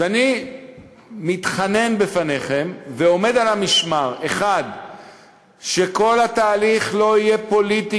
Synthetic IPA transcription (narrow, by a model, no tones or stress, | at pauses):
ani | mit̪χane̞nbefaneχe̞mveo̞me̞d̪alamiʃmaʁeχad̪ | ʃe̞ko̞lhat̪aːliχlo̞ije̞po̞lit̪i